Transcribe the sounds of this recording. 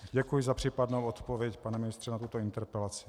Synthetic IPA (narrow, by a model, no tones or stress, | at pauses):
ɟɛkujɪzapr̝̥iːpadnowot̪povjɛcpanɛmɪnɪst̪r̥ɛnat̪ut̪oint̪ɛɾpɛlat͡sɪ̥